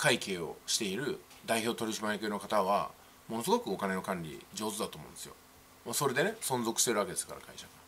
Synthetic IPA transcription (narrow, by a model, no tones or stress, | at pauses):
kʰaike̞ːo̞ɕi̥t̪e̞iɾɯ̟ | d̪aiço̞ːt̪o̞ɾʲiɕimajekʲeːno̞kat̪aβa | mo̞no̞s̬ɨɡo̞kɯ̟o̞kane̞no̞kãɲʲɾʲḭd͡ʑo̞ːzɨd̪at̪omõ̰nesɨjo̞̰ | maso̞ɾe̞d̪e̞ne̞sõ̞nzo̞kɯ̟ɕi̥t̪e̞ɾɯake̞d̪e̞sɨ̥kaɾa̰kʰaiɕaka